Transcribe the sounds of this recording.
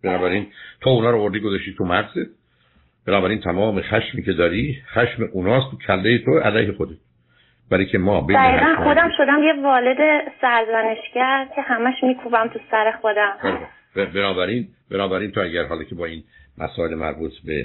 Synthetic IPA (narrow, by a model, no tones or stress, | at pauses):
b̥enɒːbæɾiːnt̪ʰounɒːɾoːvoɾd̪iɡozɑʃt̪iːt̪ʰumæɣzet̪̚ | b̥enɒːbæɾiːnt̪ʰæmɒːmexæʃmiːcʰe̞d̪ɒːɾixæʃmeʔunɒːst̪ʰucʰælːejet̪ʰoʔæ̰læjhexod̪et̪ | bæɾicʰemɒːbed̪æɣiːɣænχo̞d̪æmʃo̞d̪æmjevɒːled̪esæɾzæneʃcæɾcʰe̞hæmæʃmiːkʰubæmt̪ʰusæɾe̞xod̪æmæ | bebenɒːbæɾiːn | benɒːbæɾiːnt̪ʰoæɟæɾɦɒːlɒcʰe̞bɒːiːn | mæ̰sɒːelemæ̰ɾbuːt̪ʰbḛ